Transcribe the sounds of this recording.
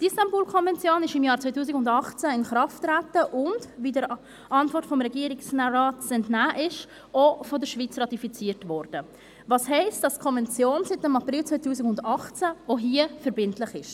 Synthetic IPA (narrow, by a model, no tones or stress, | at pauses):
dɪstɑmbuːlkʰɔnvɛnt͡sjoːnɪʃɪmjɑːɾt͡sʋotuːs̬ɪkʊndɑχt͡saɪnχɾɑftɾætəʔʊndviːdəɾ | ʔɑntvɔɾtfɔmɾɛɡiːəɾɪksnaɾɑːtsɛntnæːʔɪʃ | ofɔdəɾʃvit͡srɑtifit͡siːətvɔɾd̥ə | vɑːsɦɛɪstd̥ɑskʰɔnvɛnt͡sjoːnsɪtɪmɑprɪlt͡sʋoɪtʰuːsɪkʊndɑχt͡sæoɦiəfəɾbɪntlɪχɪʃ